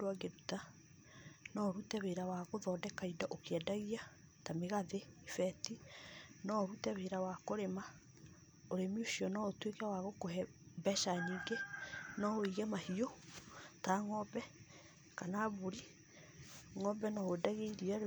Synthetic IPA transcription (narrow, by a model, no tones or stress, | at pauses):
dwaɡeɾuta | nɔɾutɛβeɾawaɣoðɔːdɛkaidaʔokeɛdaɣia | tameɣaðeifɛtinɔɾutɛβeɾawakoɾema | oɾemiuʃiɔnɔotwekawaɣokohɛ | bɛʃaɲiɡɛnɔoiɣɛmahiotaŋɔbɛ | kanaβuɾi | ŋɔbɛnɔodaɣeiɾia